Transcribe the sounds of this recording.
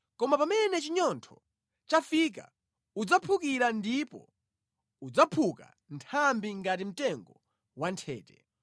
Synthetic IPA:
kɔmapamɛnɛt͡ʃiɲɔntʰɔ | t͡ʃafik̬a̰ | ud͡zapʰukiɾandipɔ̰ | ud͡zapʰuka̰ | ntʰambiŋɡat̬im̩tɛŋɡɔ | wantʰɛ̰ːtɛ̰

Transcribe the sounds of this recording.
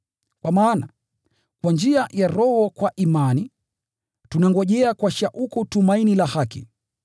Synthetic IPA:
kwʔamaːna | kwand͡ʒiajaɾɔhɔkwaʔimani | tunaŋɡɔʄɛakwaʃaʔukutumainilahakḭ

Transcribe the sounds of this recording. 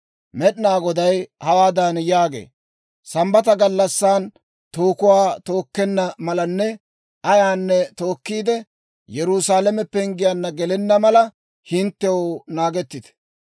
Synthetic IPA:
mɛɗnaːɡɔd̪ɐjhɐwaːd̪anjaːɡḛː | sɐmbɐt̪ɐɡɐlːɐsːaːn | t̪oːkʊwaːt̪o̞ːkːɛnːɐmɐlɐnːɛ | ɐjaːnːɛt̪o̞ːkːiːd̪ɛ | jɛɾusaːlɛmɛpːɛɪŋɡɪjɐnːɐɡɛlɛnːɐmɐlɐ | hɪnt̪ːɛwonaːɡɛt̪ːɪt̪ɛ̥

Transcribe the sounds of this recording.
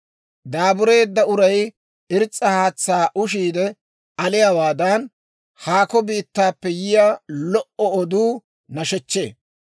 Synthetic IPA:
d̪aːbʊɾe̞ːd̪ːɐʊɾɐj | ɪɾt͡sʼːɐhaːt͡sːaːʔʊʃiːd̪ɛ | ɐlɪjawaːd̪ɐn | haːkɔbiːt̪ːaːpːɛjɪjalɔʔɔɔd̪uː | nɐʃɛt͡ʃːe̞̰ː

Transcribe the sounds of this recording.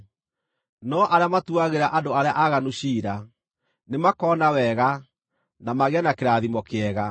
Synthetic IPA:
nɔʔaɾeamatuaɣeɾaʔandoaɾeaʔaɣanuɕiːɾa | nemakɔːnawɛɣa | namaɣeanakeɾaðimɔkeɛɣa

